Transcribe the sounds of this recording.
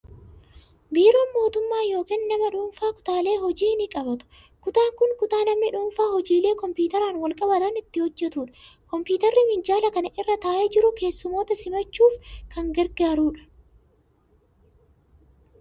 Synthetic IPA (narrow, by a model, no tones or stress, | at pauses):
biːɾoːnmo̞ːt̪ʊmːaːjo̞ːkiːnːɐmɐᶑuːnfaːkʊ̥t̪aːle̞ːɦɔd͡ʒiːnɪkʼɐbɐt̪ʊ̥ | kʊt̪aːŋkʊŋkʊt̪aːnɐmnɪᶑuːnfaːhɔd͡ʒiːle̞ːkɔmpiːt̪ɐɾaːnwɐlkʼɐbɐt̪ɐnɪt̪ːɪhɔd͡ʒːɛt̪uːᶑɐ̥kɔmpuːt̪ɐrːɪmɪnd͡ʒaːlɐkɐnɐʔɪrːɐt̪aːʔɛd͡ʒɪɾʊke̞ːsːʊmo̞ːt̪ɐsɪmɐt͡ʃːuːfkɐŋɡɛɾɡaːɾuːᶑɐ̥